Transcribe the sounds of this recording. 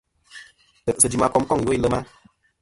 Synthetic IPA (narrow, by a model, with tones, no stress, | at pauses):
ə˨sə˨d͡ʒi˨ma˦˨kɔ˦mkɔ˦˨ŋ˨o˦i˦lə˦ma˦